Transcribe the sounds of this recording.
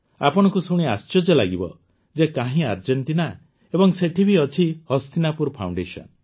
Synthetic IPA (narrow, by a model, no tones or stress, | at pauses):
apɔɽ̃ɔŋkusuɽ̃iast͡ʃɔd͡ʒɔlaɡibɔ̰ | d͡ʒekaɦĩaɾd͡ʒent̪ina | ebɔŋseʈʰibʱiɔt͡ʃʰihɔst̪inapuɾpʰaw̃ɳɖesɔ̰n